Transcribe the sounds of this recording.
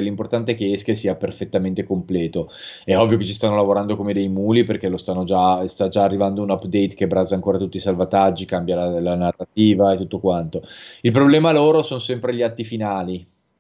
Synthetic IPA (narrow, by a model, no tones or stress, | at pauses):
elimport̪ant̪eɛkeɛskesiːaperfet̪ːament̪ekomplɛːt̪oɛɔvːjoket͡ʃːist̪anːolavoɾand̪okomed̪ejmuːliperk̟elost̪anːod͡ʒast̪ad͡ʒaːrːivand̪ounapːd̪ɛjt̪kebɾaːzaːŋkoːɾat̪ut̪ːisalvat̪ad͡ʒːikambjalalanarat̪iːvaet̪ːut̪ːokwant̪oilpɾoblɛːmaloːɾosonosɛmpɾeʎiat̪ːifinaːli